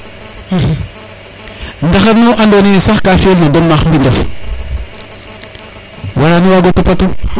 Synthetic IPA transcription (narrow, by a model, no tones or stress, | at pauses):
ndaxanoʔandonisaxkafieɬnadomːambindaf | waɾaniwaɡotupatu